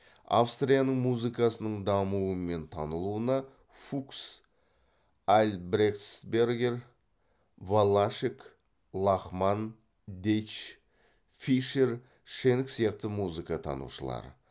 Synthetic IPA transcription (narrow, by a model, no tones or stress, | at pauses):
a̰fst̪rijanəɴmuzɨkɑsənəɴd̪ɑmuəme̞nt̪ʰɑnəlˠuənɑ | fuks | ælʲbɾeksbe̞rɡʲe̞r | valˠːaʃik | lˠɑχmɑn | d̪et͡ʃ | fiʃe̞r | ʃe̞nɪksijɑq̚t̪əmuzɨkɑt̪ʰɑ̰nṵʃəlˠɑ̰ɾ